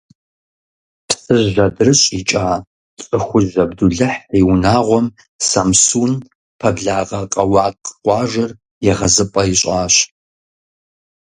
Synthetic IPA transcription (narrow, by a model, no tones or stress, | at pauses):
psʼɨʒːɐdɨrɨɕʼit͡ʃʼaː | t͡sʼɨxʷʊʒɐbduɮɨħiwnaːʁʷɔm | sɐmsuːn | pʰɐbɮaːʁɐqʼɐwɑːkqqʷɑːʒʷɐr | jɛʁɐzɨpʼɐiɕʼaːɕ